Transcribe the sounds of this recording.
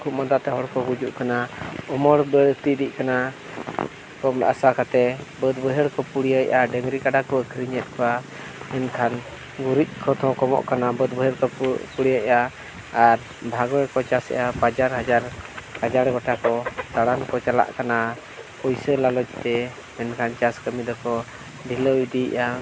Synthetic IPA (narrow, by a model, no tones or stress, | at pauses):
kʰuʔmɔd̪at̪ɛɦɔɽkɔɡud͡ʒuʔkanaɔmɔɽbəɽt̪id̪ic̚kana | kɔma̰sakat̪ɛbəd̪bəɦɛɽkɔpuɽijajʔaɖɛŋɾikaɖakɔəkʰɾiɲɛt̪̚kɔa | ɛnkʰan | ɡuɾic̪̚ˀkʰɔt̪ʰɔ̃kɔmɔ̰ʔkanabəd̪̚bəɦɛɽkɔpuɽijaʔa | aɾ | bʱaɡɔɛɽkɔt͡ʃasɛ̰ʔapad͡ʒaɾɦad͡ʒaɾkad͡ʒaɽɡɔʈakɔt̪aɽankɔt͡ʃala̰ʔkana | kɔjsəlalɔd͡ʒt̪ɛ | mɛnkʰant͡ʃaskəmid̪ɔkɔ | b̪ʱiləid̪iʔa